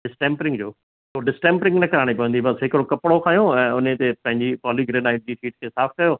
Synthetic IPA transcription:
ɖɪsʈẽːmpɾɪ̃ŋɡd͡ʑoː | soːɖɪsʈẽːmpɾɪ̃ŋɡnɐkɐɾaːɽ̃ipɐʋə̃nd̪ibɐsɦɪkɾokɐpɪɽokʰaːjõɛ̃ːʊnet̪epɐ̃ɦɪ̃ɲd͡ʑipɔːliɡɾeːnaːɪʈ̚d͡ʑiːfʰiːʈ̚kʰeːsaːfʰkɐjoː

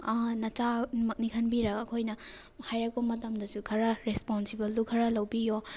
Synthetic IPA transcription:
nɐt͡ʃanmɐk̚nikʰɐnbiɾɐɡɐkʰojnɐhajɾɐk̚pɐmɐtɐmdɐsukʰɐɾɐɾesponsibɐldukʰɐɾɐlɐwbijo

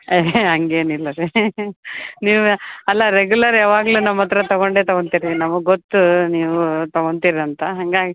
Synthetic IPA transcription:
eɦɐŋɡe̞ːnilːɐɾe | niːʋuɐlːɐɾeɡjulɐɾaːʋaːɡluːnɐmːɐt̪ɐɾɐt̪ɐɡoɳɖeːt̪ɐɡoɳt̪iɾinɐmːɐɡot̪ːuniːʋut̪ɐɡoɳt̪iɾɐnt̪ɐɦɐŋɡaːɡi

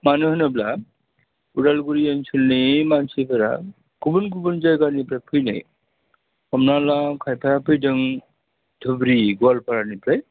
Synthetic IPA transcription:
manɯɦɯnabla | uɽalɡuɾiant͡ʃʰulnimant͡ʃʰipʰəɾa̰ | kubunk̬ubund͡ʒajɡanipɾajpʰɯjna̰j | kɔmnalakʰajpʰajapʰɯjdɯŋ | dʱubɾiɡualpʰaɾanipɾaj

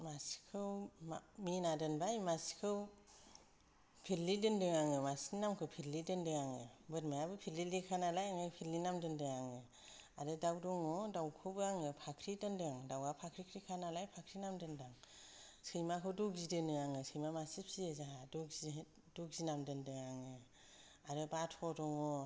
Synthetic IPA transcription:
maskʰɯwmaminadɯnbajmaskʰɯw | pʰilːidɯndɯŋaŋɯmasinamkʰɯwpʰilidɯndɯŋaŋɯbɯtmajabɯpʰililikʰanalajaŋajpʰilːinamdɯndɯŋaŋɯ | adɯdawdɔŋɔdawkʰɯbɯaŋɯpʰakʰɾidɯndɯaŋdawapʰakʰɾikʰɾikʰanalajpʰakʰɾinamdɯndaŋsɯjmakʰɯwdɔɡzidɯnɯaŋɯsɯjmamasipʰsiezaɦadɔz | dɔɡzinamdɯndɯŋaŋɯ | aɾɯbatʰɔdɔŋɔ

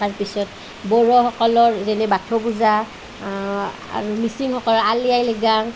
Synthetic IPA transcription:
aɹpisɔt | bɔɹɔxɔkɔlɔɹzɛnɛbatʰɔbuza | a̰ɹumisiŋxɔkɔlɔɹalijajleɡaŋ

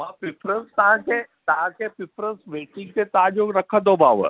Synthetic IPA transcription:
mãpipʰɾəst̪ãke | t̪ãkepipɾəsʋeːʈĩŋɡk̪et̪aːd͡ʒoɾəkʰəd̪obaːʋə̰

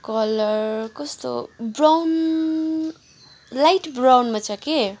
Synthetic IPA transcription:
kʌlʌrkʌst̪o̰brawn | lajʈbrawnmat͡sʰʌke

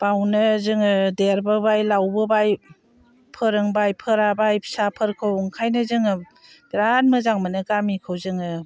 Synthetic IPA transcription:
b̥awnɯzɯŋɯdeɾbɯbajlawbɯbaj | pʰɯɾɯŋbajpʰɯɾabajpʰsapʰɯɾkʰɯwŋkʰajnɯzɯŋɯ | biɾanmɯzaŋmɯnɯɡamikʰɯwzɯŋɯ

